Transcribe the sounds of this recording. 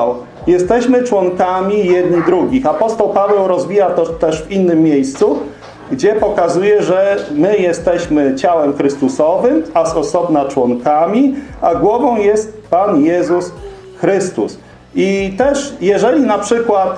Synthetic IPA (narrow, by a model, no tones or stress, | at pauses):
jɛst̪ɛɕmɘt͡ʂwɔŋkamʲijɛd̪nid̪ɾuɡʲixapɔst̪ɔwpavɛwɾɔzvʲijat̪ɔt̪ɛʐvinːɘmːʲjejst̪su | ɡd͡ʑɛpɔkazujɛʐɛmɘjɛst̪ɛɕmɘt͡ɕawɛmxɾɘst̪usɔvɘmasɔsɔbnat͡ʂwɔŋkamʲiaɡwɔvɔ̃w̃jɛst̪̚panjɛzus | xɾɘst̪ṵs | it̪ɛʂjɛʐɛlʲinapʂɘkwat̪